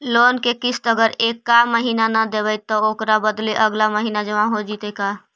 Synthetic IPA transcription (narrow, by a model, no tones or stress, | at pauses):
loːnkekɪst̪əɡəɾeːkːaməɦiːnanad̪ebəjt̪ːɔoːkɾabəd̪leʔəɡlaməɦiːnad͡ʒəʋãɦod͡ʒit̪ekaː